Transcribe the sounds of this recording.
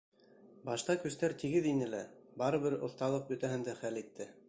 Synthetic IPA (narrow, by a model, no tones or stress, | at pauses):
bɑʃt̪ɑkɵ̆st̪æɾt̪iɡɘðinɘlæbɑɾɤ̆βɘɾŏ̰θt̪ɑlˠɤq̚bɵ̆t̪æɦɘnd̪æχælit̪ːɘ